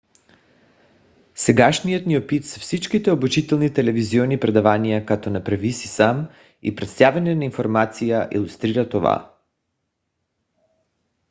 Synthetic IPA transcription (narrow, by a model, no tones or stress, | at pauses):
sɛɡaʃnijot̪niɔpit̪sɛfsit͡ʃkit̪ɛobut͡ʃit̪ɛlˠnit̪ɛlɛviziɔnipɾɛd̪avanijakat̪ɔnapɾɛvisisam | ḭpɾɛt̪st̪avɛnɛnainfoɾmat̪sijaʔḭlˠust̪ɾiɾat̪ova̰